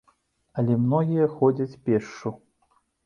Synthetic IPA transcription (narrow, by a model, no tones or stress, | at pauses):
ɐlʲɛmnɔɣʲijɐxɔd͡zʲɐt͡sʲpʲɛʂu